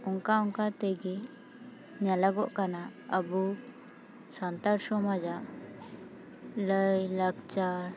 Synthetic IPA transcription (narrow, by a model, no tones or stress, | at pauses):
ɔŋkauŋkat̪ɛjɡɛ | ɲalaɡɔʔkanaəbu | sant̪aɾsɔmad͡ʒaʔ | ləjlaɡt͡ʃaɾ